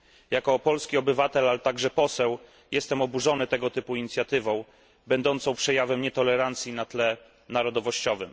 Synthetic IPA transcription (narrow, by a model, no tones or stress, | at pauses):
jakɔpɔlskʲiɔbɘvat̪ɛlalɛt̪aɡʐɛpɔsɛw | jʔɛst̪ɛmɔbuʐɔnɘt̪ɛɡɔt̪ɘpuiɲit̪sʲjat̪ɘvɔ̃w̃ | bɛnd̪ɔnt̪sɔ̃w̃pʂɛjavɛmɲɛt̪ɔlɛɾant̪sʲjinat̪lɛ | naɾɔd̪ɔvɔɕt͡ɕɔvɘ̰m